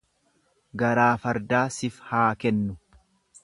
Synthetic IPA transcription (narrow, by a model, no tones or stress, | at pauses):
ɡɐɾaːfɐɾd̪aːsɪfhaːkɛnːʊ